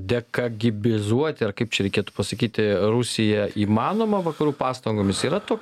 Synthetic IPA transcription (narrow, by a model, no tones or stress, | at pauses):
d̪ʲɛkɐɡʲɪbʲɪzuɔt̪ʲɪɐrkɐɪpt͡ʃʲɛɾʲɛɪkʲeɛt̪u̥pɐsɐkʲiːt̪ʲɪɾusʲɪjɛiːmɑːnoːmɐʋɐkɐɾuːpɑːst̪ɐŋɡoːmʲɪsiːɾɐt̪oːkʲ